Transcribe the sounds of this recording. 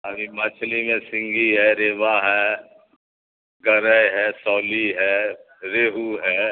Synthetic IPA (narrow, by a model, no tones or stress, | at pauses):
aɾimɐt͡ʃʰlimẽsɪ̃ŋɡiɦɛɾeːʋaɦɛː | ɡəɾəjɦɛːsɔːliɦɛː | ɾeːɦuɦɛː